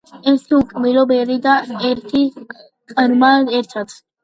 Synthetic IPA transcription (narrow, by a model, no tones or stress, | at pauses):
ɛsukʼmiɾɔbɛɾid̪aɛɾt̪ʰi | kʼəɾmaɛɾt̪ʰat̪ʰ